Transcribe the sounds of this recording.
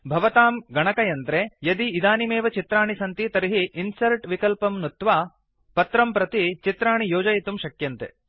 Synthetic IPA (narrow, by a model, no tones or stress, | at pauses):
bʱɐʋɐt̪aːmɡɐɳɐkɐjɐnt̪ɾejɐd̪iːd̪aːnimeːʋɐt͡ʃit̪ɾaːɳisɐnt̪it̪ɐɾiɦiʔːnsɐlʈʋikɐlpɐmnut̪ʋaː | pɐt̪ɾɐmpɾɐt̪it͡ʃit̪ɾaːɳijoːd͡ʒɐjit̪umʃɐkjɐnt̪ḛ